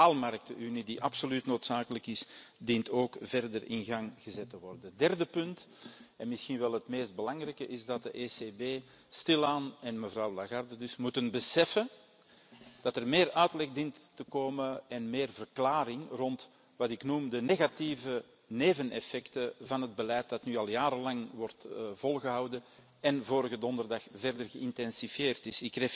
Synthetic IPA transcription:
alˠmɑɾk̚təʔynidiʔɑpsolytnoːtsaːkələkɪsdintoːkvɛrdərɪ̰nɣaŋɣəzɛtəʋɔrdədɛrdəpʏnt | ɛnmɪsxinʋɛlˠɦətmeːsd̚bəlɑŋrɛjkəʔɪzdɑt̚dəʔeːsebeː | stɪlaːnɛnməvrɑwlaɣardədʏsmutənbəsɛfə | d̥ɑtərmeːrœɥtlɛɣdintːəkoːməɛnmeːrvərklaːɾɪŋrɔnt | ʋɑtɪknumdəneːɣɑtivə | neːvənɛ̰fɛktəvɑnɦəd̚bəlɛjt̚dɑtnyːɑlˠjaːɾəlɑŋʋɔrtvɔlˠɣəɦɑwdə | ɛnvoːɾəɣədɔndərdɑxvɛrdərɣəɪntɛnsifjeːrtɪsɪkre

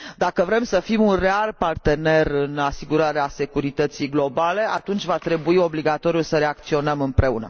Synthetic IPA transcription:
d̪akəvɾe̞msəfimunrealpart̪e̞ne̞rɨnasiɡuɾaɾease̞kuɾit̪ət̪siɡlo̞bale̞at̪unt͡ʃʲvat̪ɾe̞buio̞bliɡat̪o̞ɾiulsəɾe̞ak̚t̪sio̞nəmɨmpɾe̞unə̰

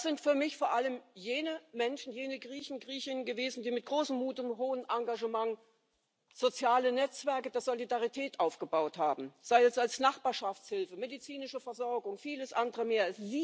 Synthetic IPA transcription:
sz̥ɪntfyːɐmɪçfoːɐʔaləmjeːnəmɛnʃn̩jeːnəɡʁiːçn̩ɡʁiːçɪnənɡəveːzn̩diːmɪt̚ɡ̥ʁoːsəmmuːtʊmɦoːənʔaŋɡaʒəmaŋ | z̥ot͡sjaːlənɛt͡sv̥ɛɐkəd̥eːɐzolidaʁitʰɛːtʔaʊfɡ̥əbaʊthaːbm̩z̥aɪɛsalsnaχb̥aːɐʃaft͡shɪlfəmedit͡siːnɪʃəfɛɐzɔɐɡʊŋfiːləsʔandəʁəmeːɐasz̥iː

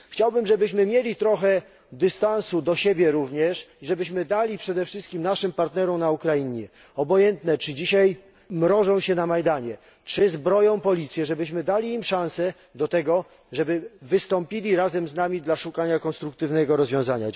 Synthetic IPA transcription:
xt͡ɕawbɘmʐɛbɘɕmɘmʲjelʲit̪ɾɔxɛ | d̪ɘst̪ansud̪ɔɕebʲjɛɾuvɲɛʂiʐɛbɘɕmɘd̪alʲipʂɛd̪ɛfʂɘst̪kʲimnaʂɘmpaɾt̪nɛɾɔmnaukɾaiɲɛ | ɔbɔjɛnt̪nɛt͡ʂɘd͡ʑiɕaj | mɾɔʐɔ̃w̃ɕɛnamajd̪aɲɛ | t͡ʂɘzbɾɔjɔ̃w̃pɔlʲit̪sʲjɛʐɛbɘɕmɘd̪alʲiːmʂãñsɛ | d̪ɔt̪ɛɡɔ | ʐɛbɘvɘst̪ɔmpʲilʲiɾazɛmznamʲid̪laʂukaɲakɔnst̪ɾuk̚t̪ɘvnɛɡɔɾɔzvjɔ̃w̃zaɲa̰

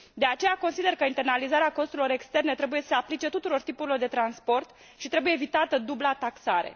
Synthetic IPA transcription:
d̪e̞at͡ʃejako̞nsid̪e̞rkəint̪e̞rnalizaɾeako̞st̪uɾilo̞ɾe̞kst̪e̞rne̞t̪ɾe̞bujesə̥seaplit͡ʃe̞t̪ut̪uɾo̞rt̪ipuɾilo̞rd̪e̞t̪ɾanspo̞rt̪ | ʃit̪ɾe̞bujeːvit̪at̪əd̪ublat̪aksaɾe̞̰

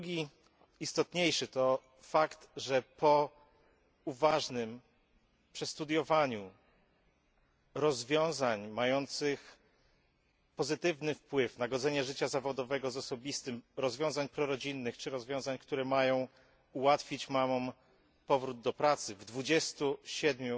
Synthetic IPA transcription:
ɡʲi | ist̪ɔt̪ɲejʂɘt̪ɔ | fakt̪ʐɛpɔ | uvaʐnɘm | pʂɘst̪ud̪ʲjɔvaɲu | ɾɔzvʲjɔ̃w̃zaɲmajɔnt̪sɘx | pɔzɘt̪ɘvnɘfpwɘvnaɡɔd̪zɛɲɛʐɘt͡ɕazavɔd̪ɔvɛɡɔzɔsɔbʲist̪ɘmɾɔzvʲjɔ̃w̃zaɲpɾɔɾɔd͡ʑinːɘxt͡ʂɘɾɔzvʲɔ̃w̃zaɲkt̪uɾɛmajɔ̃w̃ | uwat̪fʲit͡ɕmamɔm | pɔvɾud̪̚d̪ɔpɾat̪sɘvd̪vud͡ʑɛst̪uɕɛd̪mʲju

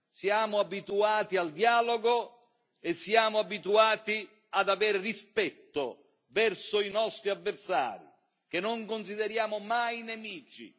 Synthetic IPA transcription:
sjaːmʊabit̪uaːt̪iald̪jaːloɡo | esːjaːmʊabit̪uaːt̪i | ad̪aveːɾerispɛt̪ːo | vɛrsʊinɔst̪ɾiavːersa̰ːɾḭ | k̟enːoŋkonsid̪eɾjaːmʊmajnemiːt͡ʃḭ

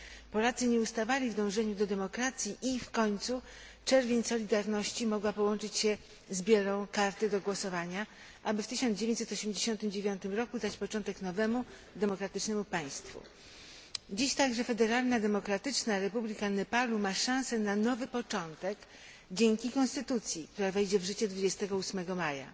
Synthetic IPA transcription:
pɔlat̪sɘɲɛust̪avalʲivd̪ɔ̃w̃ʐɛɲud̪ɔd̪ɛmɔkɾat̪sʲjiʔifkɔɲt̪su | t͡ʂɛɾvʲjeɲsɔlʲid̪aɾnɔɕt͡ɕimɔɡwapɔwɔnt͡ʂɘt͡ɕɕɛ | zbʲjɛɾɔ̃w̃kaɾt̪ɛd̪ɔɡwɔsɔvaɲa | ʔabɘft̪ɘɕɔnd͡ʑevʲj̃ɲt͡ɕsɛt̪ɔɕɛmd͡ʑeɕɔnt̪ɘmd͡ʑevʲjɔnt̪ɘmɾɔkud̪at͡ɕpɔt͡ʂɔnt̪ɛknɔvɛmu | d̪ɛmɔkɾat̪ɘt͡ʂnɛmupaj̃st̪fṵ | d͡ʑiɕt̪aɡʐɛfɛd̪ɛɾalnad̪ɛmɔkɾat̪ɘt͡ʂnaɾɛpublʲikanɛpalumaʂãw̃sɛnanɔvɘpɔt͡ʂɔnt̪ɛk | d͡ʑeŋkʲikɔ̃nst̪ɘt̪ut̪sʲjik̚t̪uɾavɛjd͡ʑɛvʐɘt͡ɕɛd̪vud͡ʑɛst̪ɛɡɔusmɛɡɔmaja̰

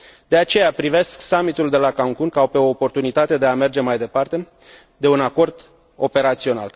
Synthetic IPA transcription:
d̪̥e̞at͡ʃe̞japɾive̞sksamit̪uld̪e̞lakaŋkunkawpe̞o̞ːpo̞rt̪unit̪at̪e̞d̪e̞ame̞rd͡ʒe̞majd̪e̞part̪e̞ | d̪e̞unako̞rd̪ | o̞pe̞ɾat̪sio̞na̰l

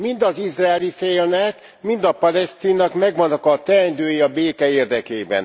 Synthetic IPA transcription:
mind̪ɒzizraːlifeːlnɛt̪ | mind̪ɒpɒlɛst̪iːnːɒkmɛɡʋɒnːɒkɒt̪ɛnd̪øːjiɒbeːkɛeːrd̪ɛkeːbɛ̰n

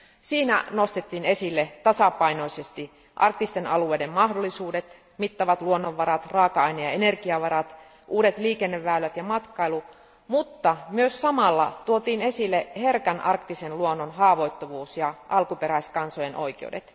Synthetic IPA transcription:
siːnæ̰nost̪et̪ːiːne̞silːet̪ɑsɑpɑinoisest̪i | ʔɑrk̚t̪ist̪enɑlueidemmɑhdolːisuːdet̪ | mit̪ːɑʋɑt̪luonːoʋːɑɾɑt̪rɑːkɑɑinejɑenerkiɑʋɑɾɑt̪ | ʔuːdet̪liːkenːeʋːæːlːæt̪jɑmɑt̪kɑilu | mut̪ːɑmyøssɑmɑlːɑ̰t̪uot̪iːne̞silːeherkænʔɑrkt̪isenluonːonɦɑːʋo̞it̪ːoʋuːsjɑʔɑlkupeɾæiskɑnsojenʔo̞̰ikḛṵdḛt̪

